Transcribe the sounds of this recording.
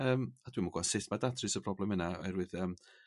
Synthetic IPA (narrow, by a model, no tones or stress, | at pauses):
əːmad̥wimaɡwasɪtmadatʰrɨsəb̥rɔblɛmɨnaɔ̰ɛɾwɨðəːm